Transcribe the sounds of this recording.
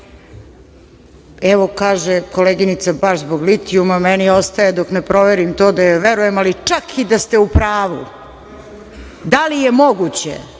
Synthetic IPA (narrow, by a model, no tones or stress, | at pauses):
ɛʋokaːʒekoleɡinit̪sabaʃzboɡlit̪iumamɛnio̞st̪ajed̪oknepɾo̞ʋeɾimt̪oːd̪ajaʋeɾujemalit͡ʂakʰid̪ast̪e̞upɾaːʋṵ | d̪alijemoɡut͡ɕḛ